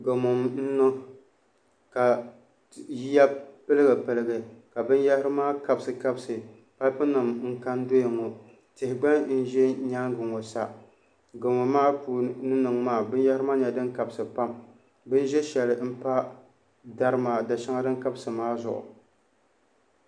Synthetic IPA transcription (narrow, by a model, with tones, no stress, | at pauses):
ɡo˨mo˨mn̩˦nɔ˦ | ka˨ | ji˦ja˦pɨ˦lɨ˦ɡɨ˨pɨ˨lɨ˦ɡɨ˨ka˨bɨ˦n˦jɛ˦hɪ˦ɾɨ˦maː˦ka˨bsɨ˨ka˦bsɨ˨ | pa˦lpɨ˦nɨ˨mŋ̩˦ka˦ndo˦jɪ˨ŋo˨ | tɪ˨hɪ˨ɡ͡ba˦n̩˦ʒɛ˦ɲa˦ŋɡɨ˨ŋo˨sa˦ | ɡɨ˨ŋo˨maː˦puː˨nɨ˦nɨ˨ŋmaː˦˨bɨ˦n˦ja˦hɾɨ˦maː˦ɲɛ˨dɨ˦ŋka˨bsɨ˨pa˦m | bɨ˦n˦ʒɛ˦ʃɛ˨lɨ˨m̩˦pa˦ | da˦ɾɨ˦ma˨da˨ʃa˦ŋa˦dɨ˦ŋka˦bɨ˦sɨ˨maː˦zʊ̰˨ʔʊ̰˨